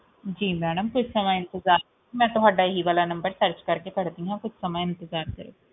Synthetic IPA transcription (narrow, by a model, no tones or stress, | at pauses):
d͡ʒiːmɛːɖəmkʊt͡ʃʰsəməɪ̃nt̪ɪzaːɾ | mɛ̃ːt̪ʊɦaːɖaːɪɦiʋaːlaːnɐ̃mbəɾsəɾt͡ʃkəɾkekəɽd̪ĩɦãːkʊt͡ʃʰsəməɪ̃nt̪əzaːɾkəɾo̰ː